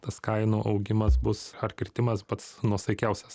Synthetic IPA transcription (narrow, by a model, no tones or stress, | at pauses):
t̪ɐskɐɪnuːʔɐʊɡʲɪmɐs̬bʊsɐrkʲɪɾʲt̪ʲɪmɐspɐt̪snuɔsɐɪkʲæˑʊsʲɛs